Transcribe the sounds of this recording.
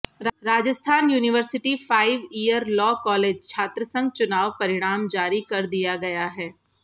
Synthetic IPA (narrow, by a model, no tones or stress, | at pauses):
ɾaːd͡ʒəst̪ʰaːnjuːnɪʋəɾsɪʈifaːɪʋiːəɾlɔːkɔːleːd͡ʒt͡ʃʰaːt̪ɾəsə̃ŋɡ̚t͡ʃʊnaːʋpɐɾɪɽ̃aːmd͡ʒaːɾikɐɾd̪ijaɡɐjaɦɛː